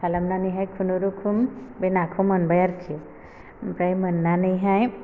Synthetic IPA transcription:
salamnanɯjɦajkʰunuɾukʰumbenakʰumɯnbajaɾtʰi | pɾajmɯnːanɯjɦaj

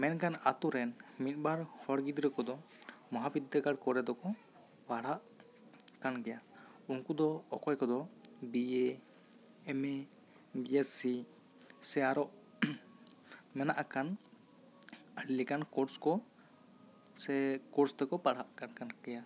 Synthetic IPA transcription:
mɛnkana̰t̪uɾɛnmit̪̚ˀbaɾhɔɽɡid̪ɾəkɔd̪ɔ | mɔɦabid̪ʱaɡaɽkɔɾɛd̪ɔkɔ | paɽ̤aʔ | kankɛja | unkud̪ɔːkɔjkɔd̪ɔbieː | mɛ | biɛsi | sɛaɾɔʔ | mɛnaʔakan | likankɔɾskɔ | sɛkɔɾst̪ɛkɔpaɽ̤aʔkankankɛja

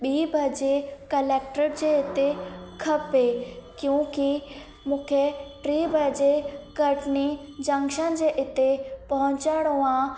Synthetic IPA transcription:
ɓiːbʱɐd͡ʑekɐleːk̚ʈəɾd͡ʑeːɪt̪ekʰɐpekjũːki | mũːkʰeʈɾiːbʱəd͡ʑekɐʈni | d͡ʑɐ̃ŋɡʃənd͡ʑeːʔɪt̪epɐɦʊ̃ɲt͡ɕaːɽ̃õã

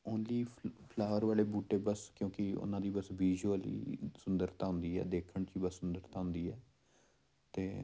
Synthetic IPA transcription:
õːnliːpʰlaːəɾʋaːleːbuːʈeːbəskjõːkɪʊ̰nãːd̪iːbəsʋiːd͡ʒəlḭːsʊnd̪əɾt̪aːʊ̃nd̪iːɛ̰ːd̪eːkʰəɳt͡ʃiːbəsːʊnd̪əɾt̪ãːʊ̃nd̪iːɛː | t̪eː

